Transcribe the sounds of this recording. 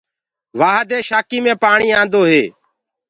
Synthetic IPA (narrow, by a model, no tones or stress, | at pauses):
ʋaːɦəd̪eːʃaːkiːmẽːpaːɳiːãːnd̪oːɦeː